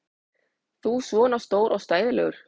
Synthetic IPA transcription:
θuːsvɔːnast̪oːwɾʔɔwst̪aːjðɪlɛɣʏɾ̥

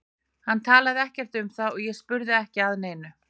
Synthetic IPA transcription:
hant̪ʰaːlaðɪɛhcɛr̥t̪ʏmθaðɔɣjɛɣspʏɾðɪɛhcɪaðneːjnʏ

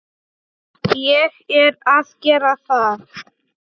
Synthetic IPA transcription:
jɛxɛɾaskɛɾaθa

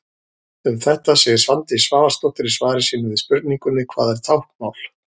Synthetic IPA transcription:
ʏmθɛht̪asɛːɣɪ̥svant̪ɪisvaːvḁst̪ɔht̪ɪɾisvaːɾɪsiːnʏvɪ̥spʏɾt̪niŋkʏnːɪkʰv̥aːðɛɾ̥t̪ʰawhkmaːwl̥

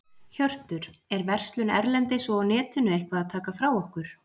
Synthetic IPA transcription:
çœr̥t̪ʏɾɛɾvɛr̥st̪lʏnɛ̰ɾlɛnt̪ɪsɔnɛːt̪ʏnʏejhkvaðaðt̪ʰaːkafɾawɔhkʏɾ̥

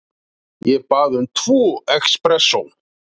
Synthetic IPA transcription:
jɛpaðʏnt̪ʰvuɛkspɾɛsːu

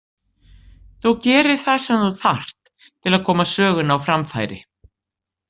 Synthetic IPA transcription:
θowcɛːɾɪ̥θaðsɛmθuθar̥t̪ʰː | ɪlaðkʰɔːmasœːɣʏnawfɾamfa̰ːjɾɪ̰

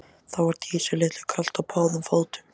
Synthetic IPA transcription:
θawvaɾt̪ʰiːsʏlɪːt̪lɪkʰal̥t̪awpʰaːwðʏmfowlt̪ʏ̥m

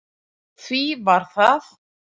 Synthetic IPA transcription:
θvivaɾ̥θað

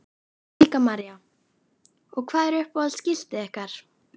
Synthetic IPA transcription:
iːkamaɾja | ɔɣkʰvaːðɛɾʏhpɔðlscɪl̥t̪ɪɛhkaɾ̥

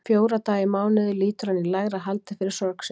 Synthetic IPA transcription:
fjoːwɾat̪aːjɪmaːwnɪðʏliːt̪ʏɾ̥anːilaɣɾaɦalt̪ɪfɪɾɪɾ̥sɔɾks

